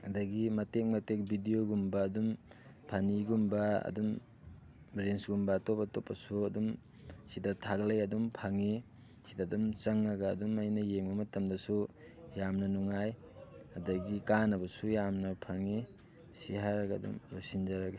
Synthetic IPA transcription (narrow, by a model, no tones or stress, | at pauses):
ɐdɐɡimɐtek̚mɐtek̚bʱidijoɡumbɐːdumpʰaniɡumbɐɐ̰dum | bɾensɡumbaːtopatopːɐsuɐdum | sidatʰaɡlejɐdumpʰaŋi | sidadumt͡ʃɐŋɐɡɐːdumɐjnɐjeŋmɐmɐtɐmdɐsu | jamnɐnuŋaj | ɐdɐɡikanɐbɐsujamnɐpʰaŋi | siɦaɾɐɡɐːdṵmbasind͡ʒaɾɐɡɐ